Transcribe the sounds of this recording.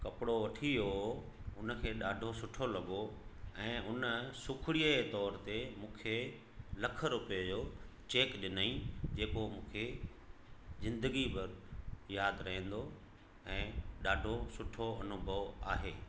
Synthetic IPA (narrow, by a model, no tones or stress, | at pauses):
kɐpɪɽoʋɐʈʰio | ʊnəkʰeːɗaːɖʱosʊʈʰolɐɠoɛ̃ːʔʊnəsʊkʰɪɽiət̪ɔːɾt̪emũːkʰe | lɐkʰəɾʊped͡ʑoːt͡ɕeːkɗɪnaĩd͡ʑeːkomũːkʰe | zɪ̃nd̪əɡipɪɾjaːd̪ɾɐɦĩn̆d̪o | ɛ̃ːɗaːɖʱosʊʈʰoɐnʊbʱəʋaːɦeː